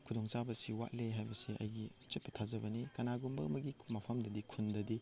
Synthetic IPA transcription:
kʰudɔŋsabɐsiwa̰ʔ̚leɦajbɐsiʔɐ̰jɡit͡ʃet̚pːɐtʰazɐbɐnikɐnaɡumbɐɐmɐɡimɐpʰɐmdɐdikʰundɐdi

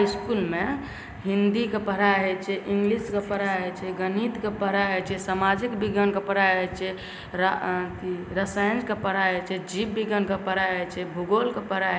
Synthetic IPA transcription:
iskulme | ɦind̪ikepəɾajɦet͡ʃʰɛʔiŋɡliskepəɾaɦet͡ʃʰɛɡənit̪kepəɦɾaɦet͡ʃʰɛsamad͡ʒikbiɡənkepəɾajɦet͡ʃʰɛ | ɾakiɾəsaə̃nd͡ʒkepəɾajɦet͡ʃʰɛd͡ʒibbiɡənkepəɾajɦet͡ʃʰɛbʱuɡolkepəɾa

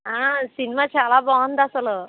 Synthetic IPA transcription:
ãsinmat͡ɕʰalabɔnd̪asələ

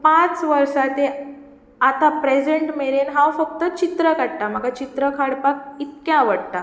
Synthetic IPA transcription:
pãt͡sʋəɾsat̪e | at̪apɾed͡ʑeɳʈmeɭenɦãwfək̚t̪ət͡ɕit̪ɾəkaɽʈam̤əɡat͡ɕit̪ɾəkʰaɽpak̚it̪̚kjãʋəɽt̪a

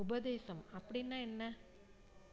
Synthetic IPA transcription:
ʊbɐðeːsɐmɐpːɐɽinːaːɛnːɐ

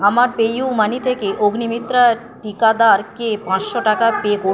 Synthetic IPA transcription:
amaɾpejumanit̪ʰekeʔoɡnimit̪ːɾa | ʈikad̪aɾkepãsʃoʈakapeko

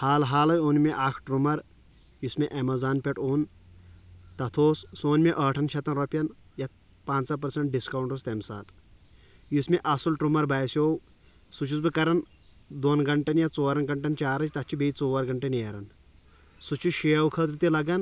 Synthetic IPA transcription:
haːlɦaːlɐjonmeʔaːkʰʈɾumɐɾ | jusmeʔɐmɐzaːnpʲeʈoːn | t̪ɐt̪ʰoːssoːnmeʔəːʈʰɐnʃɐt̪ɐnɾopʲjɐnjɐt̪ | pãːnsɐpɐɾsɐɳʈ̚ɖiskɐwɳʈost̪emsa̰ːt̪ | jusmeʔɐsulʈɾumɐɾbaːjsʲjoːw | sut͡ʃʰusbɨkɐɾɐn | d̪onɡɐɳʈɐnjɐt͡soːɐɾɐnɡɐɳʈɐnt͡ʃaːɾɐt͡ʃʲt̪ɐt͡ʃʰibejt͡soːʋɐɾɡɐɳʈɐneːɾɐn | sut͡ʃʰuʃejɐwkʰɐt̪ɾut̪ilɐɡɐn

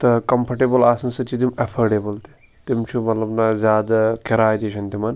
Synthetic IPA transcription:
t̪ɐkɐmpʰɐʈeːbɐlaːsɐnsɐt͡ʃid̪imɐfʰɐɾɖeːbɐlt̪i̥ | t̪imt͡ʃʰumɐt̪lɐbnɐzʲjaːd̪ɐkiɾaːjt̪iʃɐnt̪imɐn

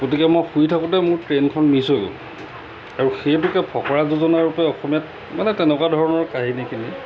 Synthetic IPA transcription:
ɡot̬ikɛmɔjxuitʰakɔtɛmʊɹtɹenkʰɔnmisojɡo̰lṵ | aɹuxejpukɛpʰɔkʰɔɹazuzɔnaɹupɛɔxɔmijat̚ | manɛtɛnɛkwadʱɔɹɔnɔɹkaɦinikini

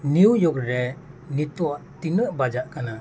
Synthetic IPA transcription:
niwjɔɡɾɛ | nit̪uwaʔt̪inəʔbad͡ʒaʔkana

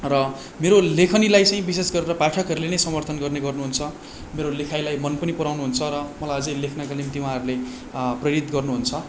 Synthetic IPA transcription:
rʌ | meɾolekʰʌnilajt͡sʌĩbisesɡʌɾeɾʌpaʈʰʌkɦʌɾulenʌjsʌmʌrt̪ʰʌnɡʌrneɡʌrnuɦunt͡sʰʌ | meɾolekʰajlajmʌnpʌnipʌɾawnuɦunt͡sʰʌɾʌmʌlajʌd͡zʌjlekʰnʌkanimt̪iwãɦʌɾule | prʌjʌɾit̪ɡʌrnuɦunt͡sʰʌ

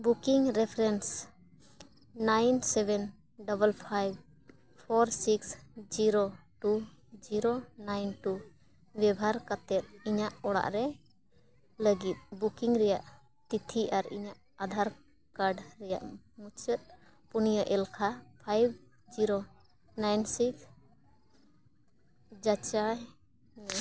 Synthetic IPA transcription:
bukiŋɾɛpʰɾɛns | najnsɛbɛn | ɖɔbəlpʰajb | pʰɔɾsiksd͡ʒiɾoʈu | d͡ʒiɾonajnʈu | bjɛbʱaɾkat̪ɛt̪̚iɲaʔɔɽa̰ʔɾɛ | ləɡit̪̚bukiŋɾɛjaʔ | ʈit̪ʰiʔaɾḭɲaʔ | ad̪ʱaɾ | kaɾɖɾɛja̰ʔ | mut͡ʃət̪̚ | punijəʔɛlkʰapʰajb̚ | d͡ʒiɾo | najnsiks | d͡ʒat͡ʃa

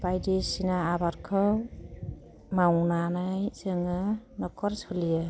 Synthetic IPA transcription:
bajdisinaːbaɾkʰɯw | mawnanajzɯŋɯnɔkʰɔɾsʰɔlijɯ

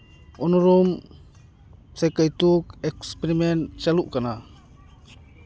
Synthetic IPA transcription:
ʔunuɾum | sekajt̪uk̚ɛkspeɾimɛntt͡ʃaluʔkana

